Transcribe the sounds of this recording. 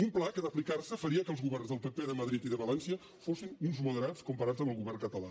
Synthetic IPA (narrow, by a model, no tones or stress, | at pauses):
umplakəðəplikarsəfəɾiəkəlˠzɣuβɛrnzðəlˠpəpeðəməðɾit̪iðəβəlɛnsiə | fosinunzmuðəɾat͡skumpəɾad͡zəmbəlˠɣuβɛrŋkət̪əla